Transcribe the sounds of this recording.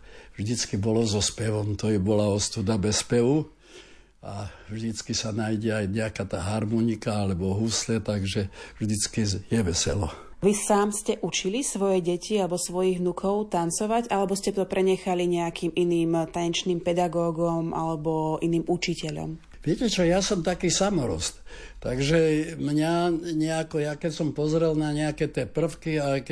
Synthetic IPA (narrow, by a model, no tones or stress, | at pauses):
vʒd̪it͡skibɔlɔzɔspɛʋɔmt̪ɔɛbɔlaɔst̪ud̪abɛspɛʋu | avʒd̪it͡skisanajɟɛajɲɛakat̪aːɦaɾmɔnikaalɛbɔɦuslɛt̪aɡʒɛvʒd̪it͡skijɛʋɛsɛ̰lɔ | ʋisaːmscɛʔut͡ʃilisʋɔjɛɟɛcialɛbɔsʋɔjiɣʋnukʰɔʊt̪ant͡sɔʋaɟʔalɛbɔscɛt̪ɔpɾɛɲɛxaliɲɛakiːmʔiniːmt̪aɲɛt͡ʃniːmpɛd̪aɡɔːɡɔmʔa̰lɛbɔʔiniːmʔut͡ʃicɛʎɔ̰m | ʋɪɛcɛt͡ʃɔjasɔmt̪akiːsamɔɾɔ̰st̪ | t̪aɡʒɛmɲaɲɛakɔjakɛcsɔmpɔzɾɛlnaɲɛakɛt̪ɪɛpr̩fkiak